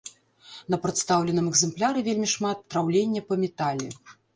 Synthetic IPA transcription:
nɐpɾɨt̪st̪awlʲɛnɨmɛɡzɛmplʲaɾɨvʲelʲmʲiʂmat̪ːɾawlʲenʲːɐpɐmʲɛt̪alʲi

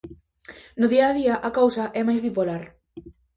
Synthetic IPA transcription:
nʊðiɐːðiɐʔɐkowsɐʔɛmajzβipolaɾ

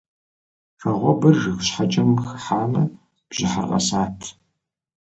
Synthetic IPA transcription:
xɐʁʷɔbɐrːɨxʷɕħat͡ʃʼɐmxħaːmɐ | b̥ʑ̥ɪħa̰rqɐ̰saːtʰ

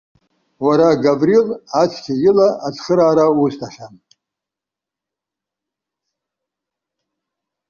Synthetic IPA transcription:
waɾaɡavrilat͡sʷʰkʲʰajɪlaʔat͡sʰʼχəɾaːɾaustʰaχʲam

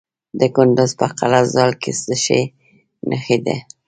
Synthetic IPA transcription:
d̪əkʊnd̪ʊzpəqalazɑlkesəʃe | nʔəxid̪ḛ

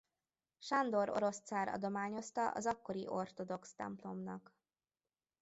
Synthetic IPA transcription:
ʃɒnd̪o̞ɾo̞̰ɾo̞st̪saːɾɒ̰d̪o̞maːɲo̞st̪ɒʔɒ̰zɒkːo̞ɾiʔo̞rt̪o̞d̪o̞kst̪ɛ̰mplo̞mnɒk

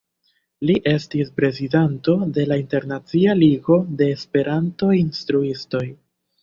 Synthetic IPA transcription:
liʔe̞stispɾe̞zidanto̞de̞lainte̞ɾnat͡sialiɡo̞de̞ːspe̞ɾʔanto̞jinstɾuisto̞j

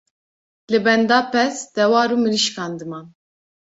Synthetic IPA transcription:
lɨbɛnd̪ɑːpɛsd̪̥ɛwɑːɾuːmɨɾiʃkɑːnd̪ɨmɑːn

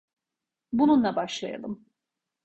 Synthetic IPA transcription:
bununlˠabaʃlˠa̰ja̰lˠɯm

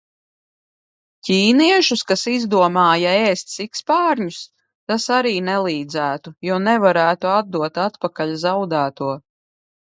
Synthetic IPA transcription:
cʲiːniɛʃuskasizd̪uɔmaːjaɛːst̪ʲsikspaːɾɲus | t̪asaɾiːnɛlˠiːd̪zæːt̪ujɔnɛvaɾæːt̪uad̪̚d̪uɔt̪at̪pakaʎzawd̪æːt̪uɔ

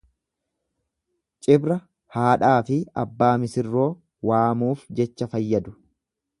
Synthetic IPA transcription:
t͡ʃʼɪbɾɐ | haːᶑaːfɪɐbːaːmɪsɪrːo̞ː | waːmuːfd͡ʒɛt͡ʃːɐfɐjːɐd̪ʊ̥

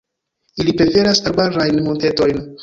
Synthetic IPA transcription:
ilipɾe̞fe̞ɾasalbaɾajnmonte̞to̞jn

